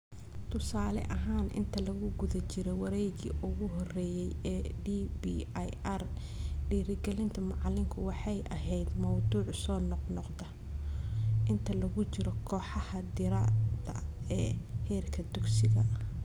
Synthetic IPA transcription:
t̪ʰʊsaːlɛ̰ʔɐɦaːnʔɪ̰nt̪ʰɐlɐɣʊɡʊðɐt͡ʃɪɾɛwɑɾɛjɣḭːʔʊɣʊɦɔrɛːjɛjɛɖiːbiːjɛr | ɖiːɾɪɡɛlɪnt̪ʰɐmɑʕɑlɪŋkʰʊwɑħɑjʔɐɦɛjd̪mɐwd̪uːʕsɔːnɔqnɔqd̪ɐ | ʔɪnt̪ʰɐlɐɣʊt͡ʃɪɾɔkʰɔːħɑhɐd̪ɪɾaːd̪ɐ̰ɛːhɛːrkʰɐd̪ʊɡsɪɣɐ

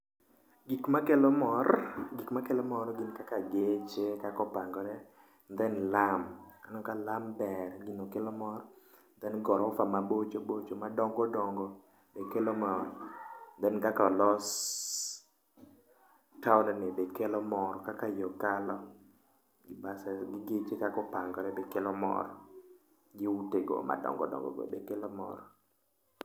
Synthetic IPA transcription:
ɡikmakelɔmɔɾɡikmakɛlɔmɔɾɔɡɪnkakaɡet͡ʃekakɔpaŋɡɔɾɛ | nd̪ɛnlamkanɔkalambɛɾɡinokɛlɔmɔɾ | nd̪ɛnɡɔɾɔfamabot͡ʃobot͡ʃomadɔŋɡɔdɔŋɡɔ | bekɛlɔmɔrd̪ɛnkakalɔs | taɔnɔnebekelɔmɔɾɔkakajɔkalɔ | ɡɪbasɛɡɪɡɪt͡ʃɪkakɔpaŋɡɔɾɛbekelɔmɔ̰ɾɔ | ɡɪuteɡo̰mʔa̰dɔ̰ŋɡɔ̰dɔ̰ŋɡɔ̰ɡo̰bḛkelɔmɔ̰ɾ

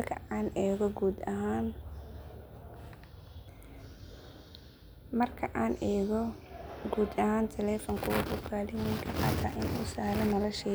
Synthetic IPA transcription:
kʰɐ̰aːnɛːɣɔɡuːd̪ɐɦaːn | mɐrkʰɐʔaːnɛːɣɔɡuːd̪ɐhaːnt̪ʰɛlɛːfɔŋkʰʊwɐdʊkʰaːlɪwɪŋkʰɐqɑːt̪ʰa̰ːʔɪnuːsaːlɐmɐlɐʃɛ

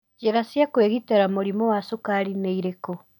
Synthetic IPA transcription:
d͡ʒeɾasjakweɣiteɾamoɾimɔwasokaɾineiɾekɔ

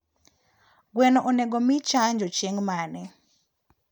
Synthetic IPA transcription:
ɡwɛnɔʔɔnɛɡɔmit͡ʃaɲd͡ʒɔt͡ʃeŋmanɛ

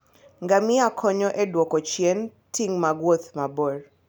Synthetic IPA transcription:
ŋɡamiakʰɔɲɔʔɛdwɔkɔt͡ʃiɛn | tiŋmaɡwɔt̪mabɔr

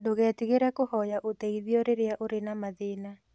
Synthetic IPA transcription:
doɣɛːtiɣeɾɛkohɔjaʔotɛiðiɔɾeɾeaʔoɾenamaðeːna

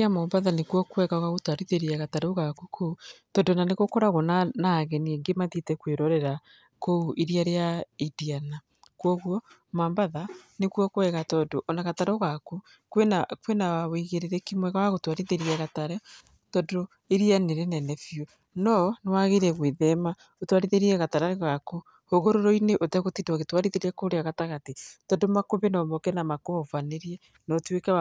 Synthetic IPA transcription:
amɔmbaðanekwɔkwɛɣaɣaɣotwaɾiðeɾiaɣataɾoɣakukʰoutɔdonaneɣokɔɾaɣonanaːɣɛnieŋɡemaðitɛkweɾɔɾɛɾa | kouʔeɾiaɾeaidiana | kwɔɣwɔ | mambaðanekwɔkwɛɣatɔdoʔɔnaɣataɾoɣaku | kwenakwenawawiɣeɾeɾɛkimwɛɣawaɣotwaɾiðeɾiɛɣataɾɛ | tɔdo | eɾianeɾenɛnɛfjo | nɔnewaɣeɾɛɣweðɛma | otwaɾiðeɾiɛɣataɾaɣako | hoɣoɾoɾoineʔotɛɣotidwɔɣetwaɾiðeɾakoɾeaɣataɣatetɔdomakoβenɔmɔkɛnamakoɔfaneɾiɛ | nɔtwekɛa

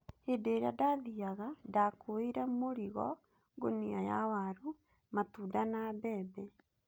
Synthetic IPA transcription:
hedeɾeadaðiaɣadakoeɾɛmoɾiɣɔ̰ | ɡoniaja̰waɾu | matuːdanabɛːbɛ

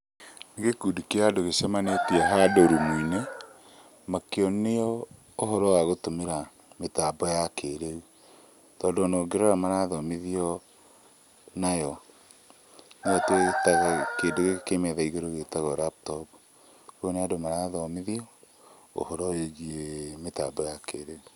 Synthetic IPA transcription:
neɣekudikeadoɣesɛmanetiaɦadoɾumuine | makeɔnejɔː | ɦɔɾɔwaɣotomeɾa | metaːbɔjakeɾeu | tɔːndoːnoːɡeɾɔɾamaɾaðɔmeðiɔ | najɔ | neɔtetaɣakeːndoɣekemɛðaiɣeɾoɣetaɣɔɾap̚tɔb | kuoneadomaɾaðɔmeðiɔ | o̰hɔɾɔeɣiemetabɔjakeɾeu

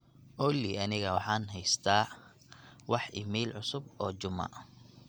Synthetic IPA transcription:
ʔɔliɐnɪɣɐwɑħɑːnɦɛjst̪ʰaː | wɑħɪmiːlʕʊsʊbɔːt͡ʃʊmɐ̰

